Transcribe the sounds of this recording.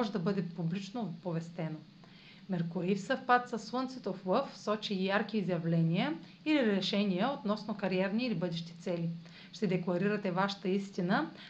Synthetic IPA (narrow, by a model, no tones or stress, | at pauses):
ʒɛd̪ɐbɤd̪ɛpublit͡ʃnopovɛst̪ɛno | mɛɾkoɾifsəfpat̪səsːwˠɤnt̪sɛt̪oflˠɤfsɔt͡ʃijaɾk̟iːzjɐvlɛnʲijə | iliɾɛʃɛnijəot̪nɔsnokɐɾiɛɾniːlibɤd̪ɛʃt̪i̥t̪sɛli | ʃt̪ɛd̪ɛklˠɐɾiɾɐt̪ɛvaʃə̥t̪əist̪inə